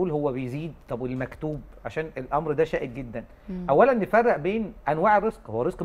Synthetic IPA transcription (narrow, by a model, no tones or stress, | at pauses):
ʔuːlhowːæbejziːd̪̚t̪ˤɑbelmækt̪uːb̚ʕaʃæːnelʔɑmɾd̪æʃæːʔed̪̚ɡed̪ːæn | ʔæwːælænːefærˤːɑʔbeːnʔænwaːʕrɾezqhowːæɾezq